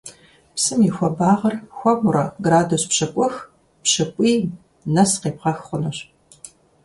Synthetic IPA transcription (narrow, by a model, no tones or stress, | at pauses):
psɨmixʷɔbaːʁɐrxʷɔʁʷʊɾɐɡraːduspɕɐkʷʼʊx | pɕɐkʷʼiː | nɐsqeːpʁɐxχʷʊnɨɕ